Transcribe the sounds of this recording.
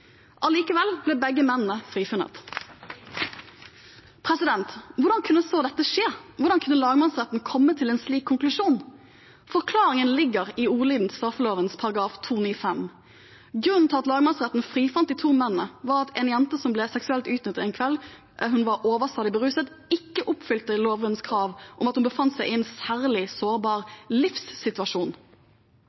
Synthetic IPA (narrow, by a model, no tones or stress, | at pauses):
ʔɑliːkəʋɛlblɛːbɛɡːəmɛnnəfʁiːfʉnə̰t̪ | pʰʁɛsɪd̪ɛnt̪ʋʊʁdɖɑnkʰʉnːəsoːd̪ɛt̪ːəʂeːʋʊɾɖɑnkʰʉnːəlɑːɡəmɑnsʁɛt̪n̩kʰɔmːət̪ʰɪlɛːnsliːkʰːʊŋklʉʂuːn | fɔʁkʰlɑːɾɪŋənlɪɡːəʁɪuːliːd̪n̩t̪ʰɪ̥st̪ɾɑfəloːʋənspʰɑʁɑɡʁɑːft̪ʰuːniːfɛm | ɡʁʉnt̪ʰɑt̪lɑːɡəmɑnsʁɛt̪n̩fʁiːfɑnt̪̚d̪iːt̪ʰuːmɛnːnəʋɑʁɑt̪ʰɛnjɛnt̪əsɔmblɛsɛksʉɛlt̪ʉːt̪nʏt̪ːɛɪnkʰʋɛl | ɦʉnʋɑɾʔoːʋəst̪ɑːlɪbəʁʉːsət̪ | ɪkːəʔʊpfʏlt̪əloːʋənskʰʁɑːʋʔɔmɑt̪hʉnbəfɑnt̪sæɪʔɪɛnsæːʁlɪsoːʁbɑːʁlɪfsːɪt̪ʉɑʂuːn